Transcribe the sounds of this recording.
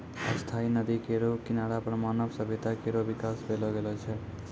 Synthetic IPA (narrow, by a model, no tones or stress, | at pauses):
ə̰st̪ʰainəd̪ikeɾokinaɽapɾəmaːnəbsəbʱit̪akeɾobikasbelɔɡelɔt͡ʃʰɛ